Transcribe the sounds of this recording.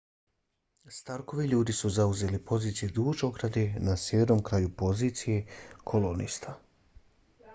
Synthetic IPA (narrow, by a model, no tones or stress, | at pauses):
st̪aɾko̞ʋiʎuːd̪isuzauze̞ːlipʰo̞ziːt̪sijed̪uːʒo̞ɡɾad̪enasjeʋeɾno̞mkɾaːjupo̞ziːt̪sijekʰolonḭst̪ʰa